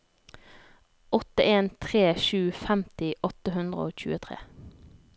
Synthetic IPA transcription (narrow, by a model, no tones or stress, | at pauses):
ʔɔt̪əʔeːnt̪ʰʁeːʃʉːfæmt̪ɪʔɔt̪əɦʉnd̪ʁəoːc͡çʉ̰ːət̪ʰʁḛː